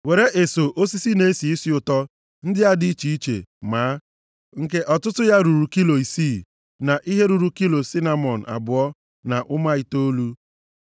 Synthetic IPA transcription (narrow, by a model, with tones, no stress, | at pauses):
we˨ɾe˦ʔe˨so˨ʔo˦si˦si˦ne˦si˨i˦si˦ʊ˨tɔ˦ | n̩˦dɪ˦a˦di˦i˦t͡ʃi˨i˦t͡ʃḛ˨maː˨˦ | ŋ̩˦ke˦ʔɔ˨tʊ˦tʊ˦ja˦ɾu˨ɾu˨ki˦lo˨i˨siː˦˨ | na˨ʔi˦ɦe˦ɾu˨ɾu˨ki˦lo˨si˦na˨mɔ˨n̩˨a̰˨bʊ˨ɔ˦ | na˨ʔʊ˦ma˦i˨to˦lu˦